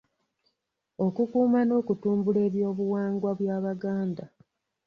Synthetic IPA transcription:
o̞kukuːmano̞ːkutuːmbule̞ːβjo̞ːβuwaːŋɡwaβwjaːβaɡaːnda

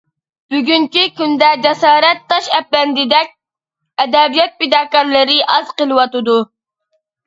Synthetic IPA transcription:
b̥yɡʲyŋkʲikʲynd̪ɛd͡ʒɛsɑːɾɛt̪ʰːɑʃɛp̚ːɛnd̪ɪd̪ɛk̚ʲ | ɛd̪ɛbijɛt̪̚ped̪ɑːkɑɾlˠɨɾɪʔɑzqəlˠɨwɑt̪ɨd̪u

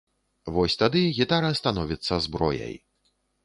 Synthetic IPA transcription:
vɔsʲt̪ad̪ɨɣʲit̪aɾɐst̪anɔvʲit̪sːɐzbɾɔjɐ̰j

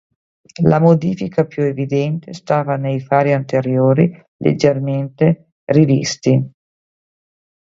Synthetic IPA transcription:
lamod̪iːfikʰapjuevid̪ɛnt̪est̪aːvanejfaːɾiant̪eɾjoːɾi | lʔḛd͡ʒːerment̪e | rivḭst̪i

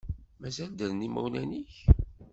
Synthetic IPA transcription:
mæzæld̪æðnimṵwnæniç

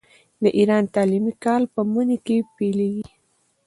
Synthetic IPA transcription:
d̪əʔiɾɑnt̪ɑlimikɑlpəmunekepeleɡi

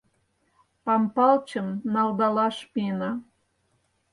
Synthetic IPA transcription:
pɑmpɑlt͡ɕə̆mnɑlˠd̪ɑlɑʃpinɑ

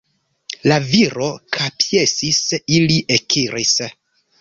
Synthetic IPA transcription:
laviɾo̞kʰapje̞sisiliʔekʰiɾis

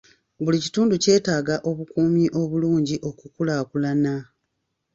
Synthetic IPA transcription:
βulici̥tuːnduce̞ːtaːɡaʔo̞βukuːmiʔo̞βuluːɲɟiʔo̞kukulaːkulana

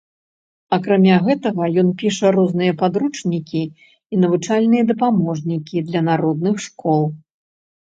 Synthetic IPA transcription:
ɐkɾamʲaɣɛt̪ɐɣɐjɔnpʲiʂɐɾɔznɨjɐpad̪ɾut͡ʂnʲikʲiː | nɐvɨt͡ʂalʲnɨjɐd̪ɐpamɔʐnʲikʲid̪lʲɐnaɾɔd̪nɨxʂkɔlˠ

